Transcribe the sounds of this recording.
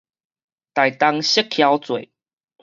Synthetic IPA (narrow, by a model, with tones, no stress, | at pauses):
t̪a˨˩jt̪a˦ŋɕə˦kʰːja˧˦wt͡swe˨˩˨